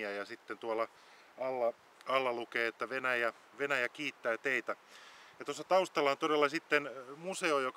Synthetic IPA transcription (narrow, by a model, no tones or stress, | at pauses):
æjɑsit̪ːent̪uɑlːɑ | ɑlːɑ | ɑlːɑlukeːet̪ːæʋenæjæ | ʋenæjækiːt̪ːæːt̪eit̪æjɑt̪osːɑt̪ɑust̪ɑlːɑont̪odelːɑsit̪ːenmuseojok